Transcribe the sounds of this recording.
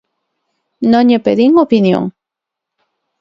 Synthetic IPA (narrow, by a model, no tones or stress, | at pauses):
noɲepeðiŋopinjo̰ŋ